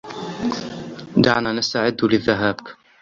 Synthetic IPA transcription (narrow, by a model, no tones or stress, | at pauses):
d̪a̰ʕnaːnast̪aʕɪd̪ːlɪðːaɦaːbk